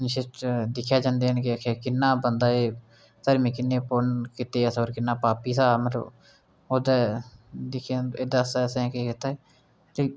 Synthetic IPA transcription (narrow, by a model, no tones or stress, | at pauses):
nʃɪʈd̪ɪkʰːjaːd͡ʒãːnd̪eːɦnkɪkʰaːkɪnːãːbənd̪aːeː | t̪əɾmiːkɪnːeːponkɪt̪eːəsoːɾkɪnːaːpaːpiːsaːməɾo̰ | oːd̪ɛːd̪ɪkʰaeːd̪aːsasɛ̃keːkɪt̪aːeː | leː